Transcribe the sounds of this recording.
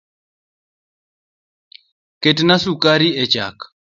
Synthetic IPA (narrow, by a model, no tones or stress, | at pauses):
ketnasukaɾiet͡ʃa̰k